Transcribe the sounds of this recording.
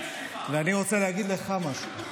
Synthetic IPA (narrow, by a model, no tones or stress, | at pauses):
veaniʁot͡selehaɡid̪leχamaʃu